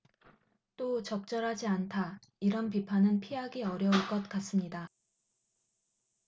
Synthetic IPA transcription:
t͈ot͡ɕʌk̚t͡ɕ͈ʌɾɦad͡ʑiantʰa | iɾʌnp̬ipʰanɯnpʰiɦaɡiʌɾjʌuɭk͈ʌt̚k͈as͈ɯmɲida

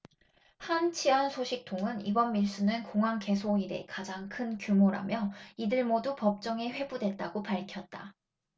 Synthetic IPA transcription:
hant͡ɕʰiansʰoɕʰik̚tʰoŋɯnibʌnmiɭs͈unɯnkoŋaŋke̞sʰoiɾe̞̰kad͡ʑaŋkʰɯnkjumoɾa̰mjʌidɯɭmodupʌp̚t͡ɕ͈ʌŋeɸwe̞budwet̚t͈aɡopaɭkʰjʌt̚t͈a

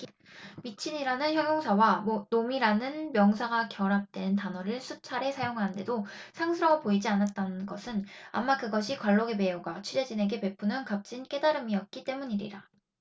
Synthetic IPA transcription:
mit͡ɕʰiɲiɾanɯnçjʌŋjoŋsʰawanomiɾanɯnmjʌŋsʰaɡakjʌɾap̚t͈we̞ntanʌɾɯɭsʰut͡ɕʰaɾe̞sʰajoŋɦanɯnde̞dosʰaŋsʰɯɾʌŋɯɭpoid͡ʑianat̚t͈anɯnɡʌsʰɯna̰mːakɯɡʌɕʰikwaɭːoɡeme̞uɡat͡ɕʰɥiɾe̞d͡ʑine̞ɡe̞pe̞pʰunɯnkap̚t͡ɕ͈ink͈e̞daɾɯmiʌt̚k͈it͈e̞muɲiɾḭɾa

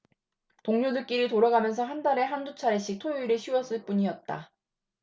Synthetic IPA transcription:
toŋɲodɯk̚k͈iɾitoɾaɡamjʌns̬ʰʌɦandaɾe̞ɦandut͡ɕʰaɾeɕ͈ik̚tʰojiɾɯɕʰiwʌs͈ɯɭp͈uɲiʌt̚t͈a̰

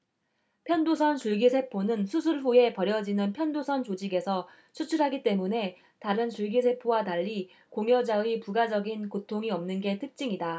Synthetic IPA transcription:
pʰjʌndosʰʌnt͡ɕuɭɡisʰe̞pʰonɯnsʰusʰuɭɸue̞pʌɾjʌd͡ʑinɯnpʰjʌndosʰʌnt͡ɕod͡ʑiɡe̞sʰʌ | t͡ɕʰut͡ɕʰuɭɦaɡit͈e̞mune̞ | taɾɯnt͡ɕuɭɡisʰe̞pʰowataʎːi | koŋjʌd͡ʑaipuɡad͡ʑʌɡinkotʰoŋiʌmnɯnɡe̞tʰɯk̚t͡ɕ͈iŋida

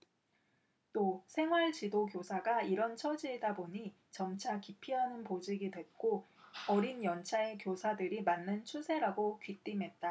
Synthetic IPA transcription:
t͈osʰe̞ŋɦwaɭt͡ɕidokjosʰaɡaiɾʌnt͡ɕʰʌd͡ʑiedaboɲi | t͡ɕʌmt͡ɕʰakipʰiɦanɯnpod͡ʑiɡidwe̞t̚k͈o | ʌɾinjʌnt͡ɕʰaekjosʰadɯɾimanːɯnt͡ɕʰusʰe̞ɾaɡokit͈imɦe̞t̚t͈a

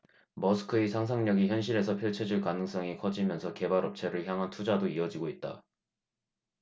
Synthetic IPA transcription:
mʌsʰɯ̥kʰɯisʰaŋs̬ʰaŋɲʌɡiçjʌnɕʰiɾe̞sʰʌpʰjʌɭt͡ɕʰed͡ʑuɭkanɯŋs͈ʌŋikʰʌd͡ʑimjʌnsʰʌke̞baɾʌp̚t͡ɕʰe̞ɾɯɭçjaŋɦantʰud͡ʑadoiʌd͡ʑiɡoit̚t͈a̰

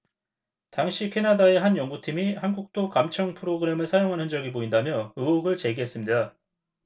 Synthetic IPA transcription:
taŋɕʰikʰe̞nadae̞ɦanjʌŋɡutʰimihanɡuk̚t͈okamt͡ɕʰʌŋpʰɯɾoɡɯɾe̞mɯɭsʰajoŋɦanɯnd͡ʑʌɡipoindamjʌɯoɡɯɭt͡ɕe̞ɡiɦe̞s͈ɯmɲida

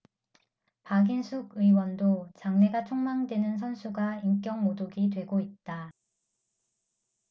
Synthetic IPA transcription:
paɡinsʰuɡɯiwʌndot͡ɕaŋne̞ɡat͡ɕʰoŋmaŋdwe̞nɯnsʰʌnsʰuɡaiŋk͈jʌŋmodoɡitwe̞ɡoit̚t͈a

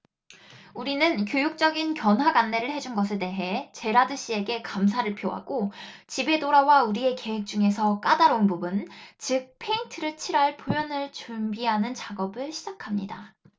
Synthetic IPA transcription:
uɾinɯnkjojuk̚t͡ɕ͈ʌɡinkjʌnɦwaɡanːe̞ɾɯɭhe̞d͡ʑunɡʌsʰe̞de̞ɦe̞t͡ɕe̞ɾadɯɕ͈ie̞ɡe̞kamsʰaɾɯɭpʰjoɦa̰ɡot͡ɕibe̞doɾawauɾie̞ke̞wek̚t͡ɕ͈uŋe̞sʰʌk͈adaɾounpubunt͡ɕɯk̚pʰe̞intʰɯɾɯɭt͡ɕʰiɾaɭpomjʌnɯɭt͡ɕumbiɦanɯnt͡ɕaɡʌbɯɭɕʰid͡ʑakʰamɲḭda

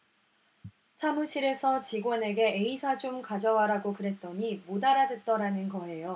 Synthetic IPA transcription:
sʰamuɕ͈ʰiɾe̞sʰʌt͡ɕiɡwʌne̞ɡe̞eisʰad͡ʑomkad͡ʑʌwaɾaɡokɯɾe̞t̚t͈ʌɲimodaɾadwet̚t͈ʌɾanɯnɡʌɦe̞jo

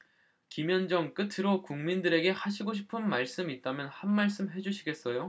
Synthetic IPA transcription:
kimjʌnd͡ʑʌŋk͈ɯtʰɯɾokuŋmindɯɾe̞ɡe̞haɕʰiɡoɕ̬ʰi̥pʰɯnmaɭs͈ɯmit̚t͈amjʌnhanmaɭs͈ɯmɦe̞d͡ʑuɕʰiɡe̞s͈ʌjo

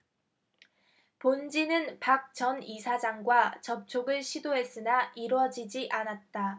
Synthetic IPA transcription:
pond͡ʑinɯnpak̚t͡ɕʌnisʰad͡ʑaŋɡwat͡ɕʌp̚t͡ɕʰoɡɯɭɕʰidoɦe̞s͈ɯnaʔiɾwʌd͡ʑid͡ʑiʔanat̚t͈a

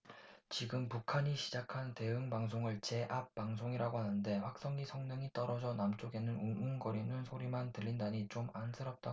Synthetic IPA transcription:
t͡ɕiɡɯmpukʰaɲiɕʰid͡ʑakʰante̞ɯŋpaŋs̬ʰoŋɯɭt͡ɕe̞ʔap̚p͈ːaŋs̬ʰoŋiɾaɡohanɯnde̞ɸwak̚s͈ʌŋisʰʌŋɲʌŋit͈ʌɾʌd͡ʑʌnamt͡ɕ͈oɡe̞nɯnununɡʌɾinɯnsʰoɾimantɯʎːindaɲit͡ɕomansʰɯɾʌp̚t͈a

